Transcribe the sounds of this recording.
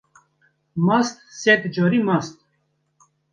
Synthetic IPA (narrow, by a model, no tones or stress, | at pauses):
mast̪sɛt̪d͡ʒɔɾimast̪